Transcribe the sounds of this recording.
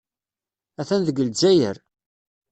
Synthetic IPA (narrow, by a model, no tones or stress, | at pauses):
æθænðəɡəld͡ʒæjə̰ɾ